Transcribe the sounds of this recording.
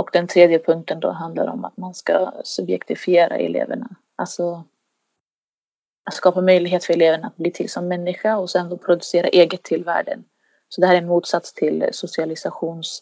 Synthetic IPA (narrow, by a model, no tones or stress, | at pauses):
ɔkd̪ɛnt̪ʰɾeːd̪jəpʰɵŋk̚t̪ənd̪ɔ̰ɦand̪la̰ɾɔ̰ma̰t̪manskasɵbjɛ̰kt̪ɪfɪeːɾa̰ɛ̰lḛːvə̰ɳa̰ | ʔalsɔ | at̪skɑːpamœjlɪɡɦeːt̪fœɾɛleːvəɳaːt̪̚bliːt̪ʰɪlsɔmːɛnːɪɧaɔsɛnd̪oːpʰɾʊd̪ɵseːɾa̰ʔeːɡət̪ʰːɪlvæ̰ːɖə̰n | sɔd̪ɛhæːɾɛnmuːt̪sat̪st̪ʰɪlsʊsɪalɪsaɧuːns